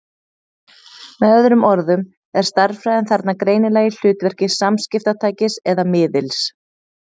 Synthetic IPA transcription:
mɛðœðɾʏmɔɾðʏm | ɛɾ̥st̪aɾfɾaːjðɛnθaɾt̪nakɾeːjnɪlaːjɪl̥ʏːt̪vɛr̥cɪsamscɪft̪at̪ʰaːjcɪsɛðamɪːðɪls

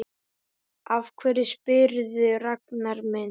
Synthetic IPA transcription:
avkʰvɛɾɪspɪɾðʏraknaɾmɛn

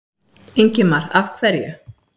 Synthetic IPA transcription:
ejɲcɪmaɾafkʰvɛɾja

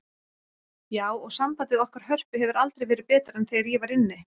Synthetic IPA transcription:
jaːwɔɣsampajt̪ɪðɔhkaɾ̥hœr̥pʏɦɛvʏɾalt̪ɾejvɛːɾɪpɛːt̪aɾɛnθejaɾjɛvaɾɪnːɪ

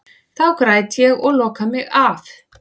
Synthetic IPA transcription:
θawkɾaːjt̪jɛɣɔɣlɔːkamɪɣaf

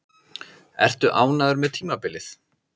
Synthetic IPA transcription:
ɛ̰r̥t̪ʏʔaːwnaðʏɾmɛðt̪ʰiːmapɪlɪθ

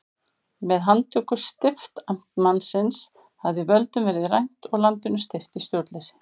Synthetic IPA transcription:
mɛðɦant̪ʰʏːkʏst̪ɪft̪am̥t̪mansɪns | havðɪvœlt̪ʏmvɛːɾɪðrajn̥t̪ɔɣlant̪ɪnʏst̪ɪft̪ist̪jowɾt̪lɛsɪ̥

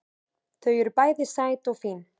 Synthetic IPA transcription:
θœɥjʏɾpaːjðɪsaːjt̪ɔɣfin

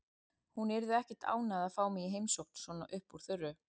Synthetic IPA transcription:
hunɛɾðʏɛhcɪ̥t̪a̰ːwnaðaðfaːwmɛiɦejmsowhkn̥svɔːnaʔʏhpuɾ̥θʏrːʏ

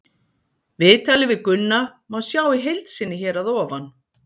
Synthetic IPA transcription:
vɪːt̪aːlɪvɪðkʏnːamawsjaːwiɦejlt̪sɪnːɪçɛːɾaðɔːvan

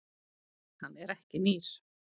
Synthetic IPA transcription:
hanːɛɾɛhcɪniːs

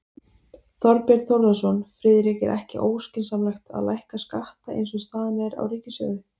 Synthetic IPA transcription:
θɔɾpjɛɾt̪θowɾðasɔnfɾɪːðɪɾɪkɛ̰ɾʔɛhcɪ̰ʔoːwscɪnsamlajxt̪a̰ðlajhkaskaht̪aʔḛjnsɔɣst̪aːðanɛðɪɾa̰wɾiːcɪsœ̰ːɣðɪ

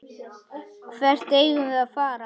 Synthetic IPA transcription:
kʰvɛr̥t̪eːjɣʏvɪðaðfaːɾa

